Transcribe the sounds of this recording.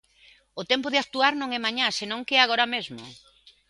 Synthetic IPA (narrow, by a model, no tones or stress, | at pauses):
ʊt̪ɛmpʊð̞ɪakt̪uaɾnõŋɛmaɲasenõŋkeɛaɣ̞oɾamezmo̰